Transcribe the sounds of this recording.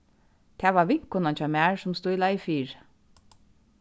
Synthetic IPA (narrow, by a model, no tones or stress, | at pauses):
t̪ʰæːʋɑːʋɪŋkʊnɑnt͡ʃɑmæːɹsʊmst̪uːilɑɪfiːɹ